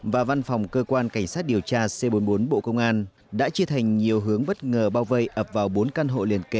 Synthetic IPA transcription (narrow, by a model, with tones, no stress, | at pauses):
vaː˨˩va˧nfɔ˨˩wŋ͡mkəː˧kwaː˧nka˧˩jŋ̟saː˦˥t̚ɗi˨˩əwt͡ɕaː˧se˧ɓo˨˦nɓo˨˦nɓo̰˧˨kə˧wŋ͡mʔaː˧n | ɗa̰ː˧˥t͡ɕɨ˧ət̪ʰa˨˩jŋ̟ɲi˨˩əwɦɨ˨˦əŋɓə˦˥t̚ŋəː˨˩ɓaː˧wvə˧jʔəː˨˩p̚vaː˨˩wɓo˨˦nka˧nɦo̰˧˨li˨˩ənke˧˦